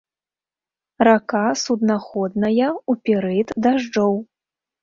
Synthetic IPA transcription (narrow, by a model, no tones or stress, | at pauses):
rakasud̪naxɔd̪nɐjɐupʲiɾɨt̪d̪aʐd͡ʐɔw